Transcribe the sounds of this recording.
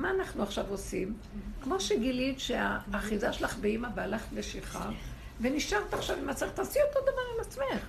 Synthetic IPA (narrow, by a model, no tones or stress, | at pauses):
maːnaχnuaχʃavosim | kmo̞ʃeɡilidʃeaːχizaʃelaχbeimabealaχt̪veʃiχa̰ | ve̞niʃant̪aχʃavimhat͡seχt̪asiot̪od̪avaʁimat͡smeχ